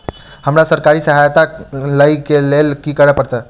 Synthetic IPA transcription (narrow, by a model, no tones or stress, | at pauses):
həmɾasəɾkaɾisəɦajt̪alaikelelkikəɾəpəɽt̪a